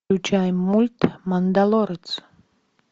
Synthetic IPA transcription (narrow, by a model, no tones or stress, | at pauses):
ut͡ʃʰajmːulʲt̪mand̪alˠɔɾət̪t͡s